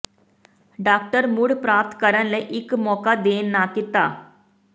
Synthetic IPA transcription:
ɖak̚ʈəɾmuːɽpɾap̚t̪kəɾə̃nleʔikmɔkad̪enːakit̪a

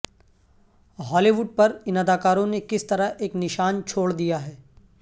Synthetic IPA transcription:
ɦɔːliːʋʊɖ̚pɐɾɪnɐd̪aːkaːɾõnekɪst̪ɐɾəɦeːknɪʃaːnt͡ʃʰoːɽd̪ijaɦɛː

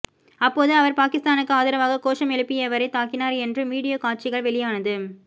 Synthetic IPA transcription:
ɐpːoːðɯɐʋɐɾpaːkɪst̪aːnɯkːɯaːðɪɾɐʋaːɣɐkoːʂɐmɛɭɯpːɪjɐʋɐɾɐɪt̪ːaːkɪnaːɾɛndrɯmiːɽɪjaːkaːʈ̚t͡ʃɪɣɐɭʋɛɭɪjaːnɐðɯ

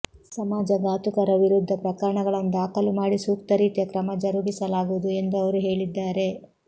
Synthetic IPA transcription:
sɐmaːd͡ʒɐɡaːt̪ukɐɾɐʋiɾud̪ʱːɐpɾɐkɐɾɐɳɐɡɐɭɐnd̪aːkɐlumaːɽisuːk̚t̪ɐɾiːt̪jɐkɾɐmɐd͡ʒɐɾuɡisɐlaːɡuʋd̪ue̞nd̪uɐʋɐɾuɦe̞ːɭid̪ːaːɾe̞

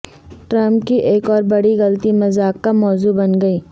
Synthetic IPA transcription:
ʈɾɐ̃mpkiʔeːkɔːɾbɐɽiɣɐlt̪imɐzaːkːamɔːzubɐnɡɐiː

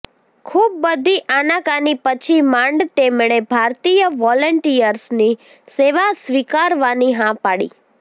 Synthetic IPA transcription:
kʰub̚ːəd̪ʱiʔanãkanipət͡ʃʰimãɳɖt̪emɭebʱaɾt̪ijəʋɔləɳʈijəɾsni | seʋasʋikaɾʋaniɦãpaɽḭ

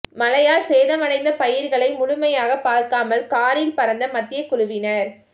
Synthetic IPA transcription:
mɐlɐjaːlseːðɐmɐnɐɪnd̪ɐpɐjɪɾɣɐɭɐɪmʊɻʊmɐjaːɣɐpaːɾkaːmɐlkaːɾɪlpɐɾɐnd̪ɐmɐt̪ːɪjɐkːʊɻʊʋɪnɐɾ

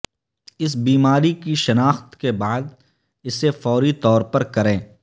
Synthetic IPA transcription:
ɪs̬biːmaːɾikiʃɐnaːxt̪kebaːd̪ | ɪsefɔːɾit̪ɔːɾpɐɾkɐɾẽː

